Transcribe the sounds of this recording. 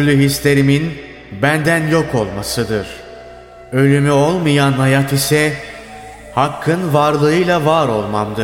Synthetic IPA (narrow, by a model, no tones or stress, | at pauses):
ɾlʲyɦist̪ʰe̞ɾimin | bænd̪ænjo̞kʰo̞lˠmasɯd̪ɯɾ̥ | ø̞lʲymyo̞lˠmɯjanhajat̪isɛ | hakʰːɯnvaɾlˠɯɯjlˠavaɾo̞lˠmamd̪ɯ